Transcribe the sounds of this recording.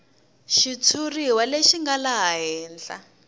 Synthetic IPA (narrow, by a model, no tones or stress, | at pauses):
ʃit͡sʰuriwaleʃiŋɡalaɦaɦɛːnd͡ɮa̰